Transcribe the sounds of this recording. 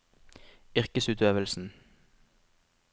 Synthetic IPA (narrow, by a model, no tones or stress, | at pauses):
ʏʁkəsʉːt̪øːʋəlsn̩